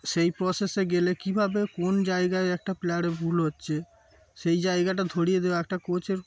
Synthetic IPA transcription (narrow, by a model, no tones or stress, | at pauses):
ʃejpɾɔseseɡelekibʱabekond͡ʑaeɡaeɛk̚ʈaplaɽebʱulɦotːɕʰe | ʃejd͡ʑajɡaʈ̬ad̪ʱoɽijed̪eoɛk̚ʈakot͡ɕeɾ